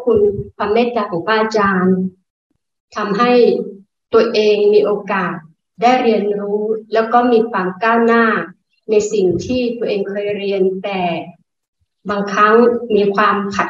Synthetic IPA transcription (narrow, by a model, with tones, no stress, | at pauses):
kʰu˧nkʰwaː˧mːeː˥˩kaː˧˩kʰɔː˩˦ŋwʰaː˥˩ʔa˧t͡ɕaː˧n | t̪ʰa˧mɦa˥˩j | t̪u˧əʔeː˧ŋmiː˧ʔoː˧kaː˨˩t̪̚ | daː˥˩jɾi˧ənɾuː˦˥lɛː˦˥wkɔː˥˩miː˧kʰwaː˧mkaː˥˩wnaː˥˩ | na˧jsi˨˩ŋt̪ʰiː˥˩t̪u˧əʔeː˧ŋkʰɤː˧jɾi˧ənt̪ɛː˨˩ | baː˧ŋkʰɾa˦˥ŋmiː˧kʰwaː˧mkʰa˨˩t̪̚